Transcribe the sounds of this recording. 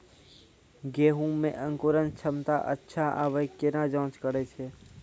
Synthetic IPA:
ɡeːɦũmḛ̃ʔə̃ŋkoːɾənt͡ʃʰəmt̪aʔə̰tːʃʰaʔaʋəjkːenad͡ʒɔ̃ːt͡ʃkəɾet͡ʃʰeː

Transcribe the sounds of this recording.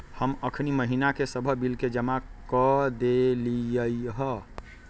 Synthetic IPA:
həməkʰniməɦinakesəbʱəbilked͡ʒəmakəd̪eliəjɦə

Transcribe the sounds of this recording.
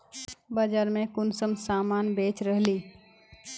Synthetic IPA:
bəd͡ʒaɾmẽkʊnsəmsaːmaːnbeːt͡ʃɾəɦli

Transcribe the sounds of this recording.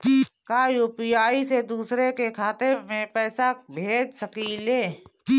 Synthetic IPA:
kikaːjuːpijaːised̪uːsɾekekʰaːt̪emẽpɛːsabʱeːd͡ʒsəkileː

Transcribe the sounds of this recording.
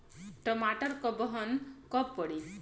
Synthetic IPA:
ʈɔmaʈʌɾkɔbɔɦʌnkɔpːɔɽi

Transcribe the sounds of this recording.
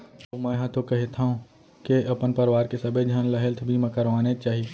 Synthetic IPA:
omɛ̃ːɦãt̪okɐɦet̪ʰaɦũ | keɐpənpəɾʋaːɾkesɐbed͡ʒʱaːnləɦelt̪ʰbʱimɛ̃kəɾʋaːnet͡ʃaːɦi

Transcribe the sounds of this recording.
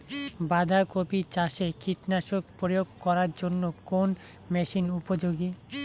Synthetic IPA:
bad̪ʱakopit͡ɕaʃekiʈnaʃoɡpɾojoɡ̚kɔɾaɾd͡ʑonːokon | mɛʃinupod͡ʑoɡi

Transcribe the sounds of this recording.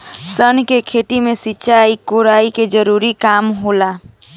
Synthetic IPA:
sənkekʰeʈimesit͡ʃaikoɾaːiked͡ʒəɾuɾikaːmɦola

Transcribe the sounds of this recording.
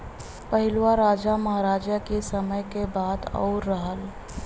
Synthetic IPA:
pəɦɪlwaɾaːd͡ʒamɐɦaɾaːd͡ʒakesəməjkebaːd̪ɔ̰ːʊɾːəɦəl

